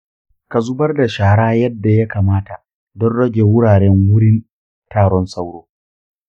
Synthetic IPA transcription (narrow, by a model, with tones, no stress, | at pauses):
ka˨zʊ˦bɐ˦rda˨ʃaː˨ɽaː˦jɐ˦dːa˨ja˦kaː˨maː˦ta˨ | dɔ˦nɽɐ˦ɡʲeː˨wʊ˦ɽaː˨ɽɛ˦ŋwʊ˦ɽɪ˦n | taː˨ɽɔ˦nsa˦wɽoː˦